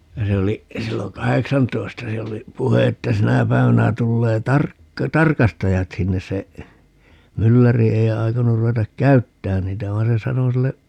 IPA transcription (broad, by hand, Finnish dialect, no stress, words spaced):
jɑ se oli silːoŋ kɑheksɑntoi̯stɑ siɛl oli puhe etːæ sinæ pæi̯ʋænæ tulːeː tɑrk tɑrkɑstɑjɑt sinːes se mylːæri ei̯ ɑi̯konur ruetɑk kæytːæːn niːtæ ʋɑi̯n se sɑno silːe